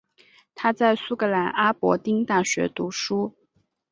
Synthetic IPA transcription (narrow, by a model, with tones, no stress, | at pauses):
t̪ʰa˥t͡sa˥˩ɪsu˥˩kɤ˧˥la˧˥nʔa˥pwɔ̰˧˥t̪i˥ŋt̪a˥˩ɕɥɛ̰˧˥t̪u˧˥ʂu˥